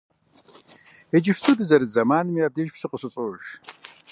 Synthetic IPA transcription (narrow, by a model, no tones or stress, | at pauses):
ɛd͡ʒɪfstʰuːdɨzɐɾɨzɐmaːnɨmiaːb̚deːʒpsɨqʷʼəsɨɕʼʊʒ